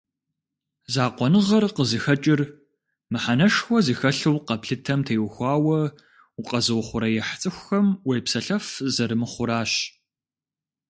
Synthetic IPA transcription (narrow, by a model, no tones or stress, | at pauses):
zaːqʷɔnɨʁɐrqəzɨxɐt͡ʃʼɪr | mɨħanɐʂxʷɔzixɐɬɨwqɐpɬɨtʰɐmtʰejwxʷɑːwɐ | uqʼɐzɨwχʷʊɾɐjɛħt͡sʼɨxʷxɐmwejpsɐɬɐfzɐɾɨmɨχʷʊɾaːɕ